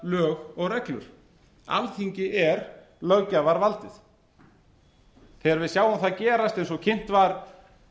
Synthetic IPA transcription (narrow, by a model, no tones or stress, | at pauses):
lœːɣɔɣrɛklʏ̰ɾ̥ | a̰lθiɲcɪʔɛɾ | lœɥcavaɾvalt̪ɪθ | θɛɣaɾvɪðsjaːwamθaðcɛːɾast̪ɛjnsɔɣcʰɪn̥t̪vaɾ